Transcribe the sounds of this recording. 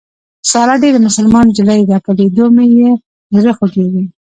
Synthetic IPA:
sɑlɑɖed̪əmʊsəlmɑnod͡ʒɪlajd̪ɑkaled̪omeje | ɾəxokeɡi

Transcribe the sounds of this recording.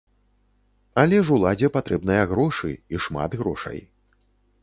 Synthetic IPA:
ɐlʲɛʐulˠad͡zʲɛpat̪ɾɛbnɐjɐɣɾɔʂɨ̰iʂma̰d̪ɣɾɔ̰ʂɐ̰j

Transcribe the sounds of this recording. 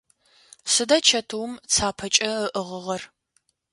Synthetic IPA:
sɨdɐt͡ʃʰɐtʰɨwmt͡sʰaːpʰɐt͡ʃʼɐəʔəʁəʁɐr

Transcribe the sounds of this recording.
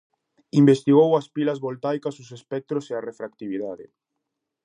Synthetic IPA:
imbest̪iɣowɐspilɐzβolt̪ajkɐsosespɛk̚t̪ɾosearefɾak̚t̪iβ̞iðaðɪ̰

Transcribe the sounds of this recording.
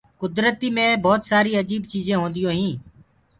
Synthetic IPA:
kʊd̪ɾət̪iːmẽːbʱɔːt̪saːɾiːəd͡ʒiːbt͡ʃiːzẽːɦõːnd̪ɪjõːɦĩː

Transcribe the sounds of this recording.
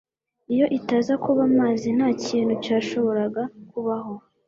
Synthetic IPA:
ijo̞ʔitazakuβamaːzin̥haːciːnhucaːʃo̞βo̞ɾaɡakuβaɦo̞

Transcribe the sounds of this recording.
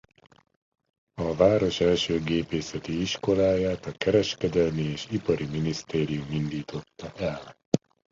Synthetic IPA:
ɒvaːɾo̞ʃɛlʃøːɡeːpeːsɛt̪iiʃko̞laːjaːt̪ɒkɛɾɛʃkɛd̪ɛlmieːʃipɒɾiminist̪eːɾijumind̪iːt̪o̞t̪ːɒʔɛl

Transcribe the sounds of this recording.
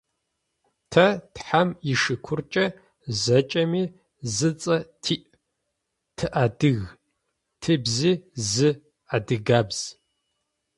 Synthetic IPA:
tʰɐtħamjiʂɨkʷʰʊrt͡ʃʼɐ | zɐt͡ʃʼɐmiː | zɨt͡sʼɐtʰiːʔ | tʰɨʔadɨɣ | tʰɨbziːzɨ | adɨɡaːbz̥

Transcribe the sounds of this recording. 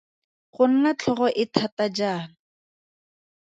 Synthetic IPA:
χʊn̩nat͡ɬʰɔχɔʔɪtʰatad͡ʒaːnɔ

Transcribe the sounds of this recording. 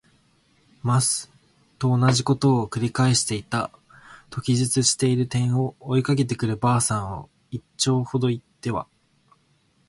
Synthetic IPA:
masɨ̥ | t̪o̞ːnaʑiko̞t̪o̞ːkɯ̟ɾʲikaeɕi̥t̪e̞it̪a | t̪o̞kʲiʑɨt͡sɨɕi̥t̪e̞iɾɯ̟t̪ẽ̞ɰ̃o̞ːikake̞t̪e̞kɯ̟ɾɯ̟baːsãɰ̃βo̰ | it͡ɕo̞ːho̞d̪o̞it̪ːe̞βa̰

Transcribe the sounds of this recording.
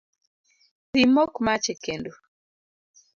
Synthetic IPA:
timokmat͡ʃekendo

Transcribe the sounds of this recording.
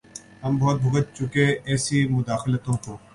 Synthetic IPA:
ɦəmbʱɔːt̪̚bʱʊɡət̪̚t͡ʃʊkeɛːsiːmʊd̪aːxɪlət̪õːkoː

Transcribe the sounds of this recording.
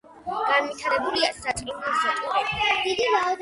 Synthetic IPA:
ɡ̥anvit̪ʰaɾɛbuliasat̪ʼɾivlasat̪ʼuɾɛd̪̥id̪imaɔd̪

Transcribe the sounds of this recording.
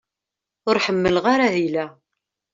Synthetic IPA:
ʊɾħəmːəlʁaɾaɦilæ

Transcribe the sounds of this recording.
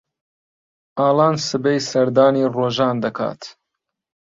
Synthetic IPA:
aːlɑːnsɨbejsɐɾd̪aːniːroːʒɑːnd̪ɐkʰa̰ːt̪

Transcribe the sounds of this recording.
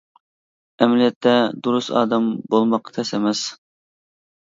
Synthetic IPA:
ɛmɪlijɛt̪ʰːɛd̪uɾusɑ̰ːd̪ɛmbolˠmɑqʰːɑ̥t̪ʰɛsɛmɛs

